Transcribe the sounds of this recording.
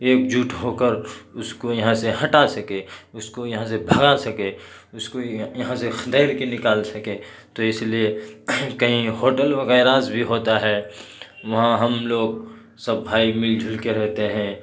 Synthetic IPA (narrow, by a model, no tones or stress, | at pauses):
eːk̚d͡ʒuːʈɦoːkəɾʊskojɐɦãseɦɐʈasɐkeʊskojɐɦãs̬ebʱɐɡasɐke | ʊskojɐɦãsext̪ɛːɪɾkenɪkaːlsɐke | t̪oɪsliekɐɦĩɦoːʈəlʋɐɣɛɪɾaːzbʱiɦoːt̪aɦɛːʋɐɦãɦɐmloːɡ | sɐbːʱaːimɪld͡ʒʱʊlkeɾɛɦt̪eɦɛ̃ː